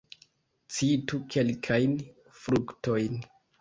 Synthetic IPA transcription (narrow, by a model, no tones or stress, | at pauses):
t͡situkʰe̞lkʰajn | fɾukto̞jn